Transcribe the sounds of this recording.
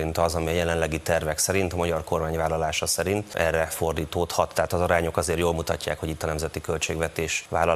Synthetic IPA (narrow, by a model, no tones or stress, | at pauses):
int̪ɒzɒmiɒjɛlɛnlɛɡit̪ɛrvɛksɛɾint̪ɒmɒɟɒrko̞rmaːɲvaːlːɒlaːʃɒsɛɾint̪ʔɛ̰rːɛfo̞rd̪iːt̪oːt̪hɒt̪ːɛɦaːt̪ɒzɒɾaːɲo̞kɒzeːrjoːlmut̪ɒ̰cːaːkhoɟit̪ːɒnɛmzɛt̪ikølt͡ʃeːɡvɛt̪eːʃʋa̰ːlɒ